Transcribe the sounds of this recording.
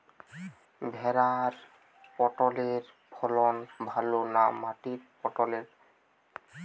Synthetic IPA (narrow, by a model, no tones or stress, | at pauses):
bʱɛɾaɾ | pɔʈɔleɾ | pʰɔlɔnbʱalonamaʈiɾpɔʈɔleɾ